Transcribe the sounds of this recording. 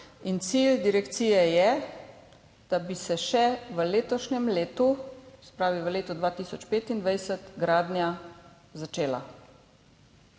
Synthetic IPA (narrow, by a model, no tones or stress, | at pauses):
int̪sild̪iɾɛkt̪siːjɛjɛ | d̪̥abisɛʃɛʋəleːt̪ɔʃnɛmleːt̪usɛ̥pɾaːʋiʋəleːt̪ud̪ʋaːt̪iːsɔt͡ʃpeːt̪ind̪ʋajsət̪ɡɾaːd̪nʲja | zat͡ʃeːla̰